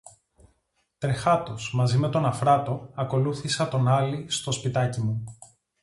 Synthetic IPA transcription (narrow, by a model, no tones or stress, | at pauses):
t̪ɾe̞xɐt̪o̞smɐzime̞t̪o̞nɐfɾɐt̪o̞ɐko̞luθisɐt̪o̞nɐlist̪o̞spit̪ɐcimu